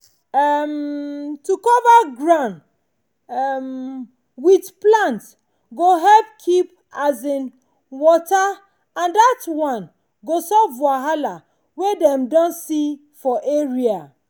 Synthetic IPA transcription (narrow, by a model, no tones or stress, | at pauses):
amtukɔvaɡɹãn | m | widplãnt | ɡoɦɛbkʰip | azĩn | wɔta | ãndatwãn | ɡosɔvwaɦala | wedɛ̃mdɔ̃nsi | fɔʔeɹia